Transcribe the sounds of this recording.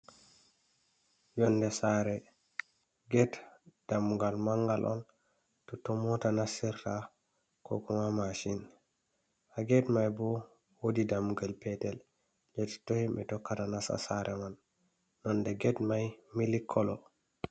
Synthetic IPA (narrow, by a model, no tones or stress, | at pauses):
jɔndɛsaɾɛ | ɡɛtd̥amuɡalmaŋɡalʔɔ̰n | tɔtɔmɔtanasiɾta | kɔ̰kɔmamaʃin | aɡɛtmajbɔ | wodidamuɡalpɛtɛl | d͡ʒɛti̥tohibɛtɔkːatanasa̰saɾʔɛmanː | ɔndɛɡɛtmajmilikʰːɔlɔ̰